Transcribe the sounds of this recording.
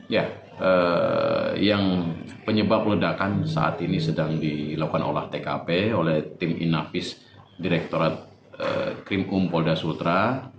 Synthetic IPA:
ja | ə | jaŋpəɲəbap̚lədakansa̰ʔa̰t̪inisədaŋdilakukano̰laht̪ekapeolɛht̪ɪmʔḭnafɪs | diɾɛk̚t̪oɾat̪̚ | ə̰kɾimumpɔldasult̪ɾa

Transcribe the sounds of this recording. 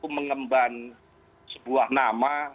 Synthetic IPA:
uməŋəmban | səbuahnama

